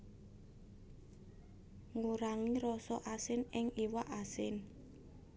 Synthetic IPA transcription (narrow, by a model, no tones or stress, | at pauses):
ŋuɾaŋiɾɔsɔʔasɪnɪŋiwaʔasɪn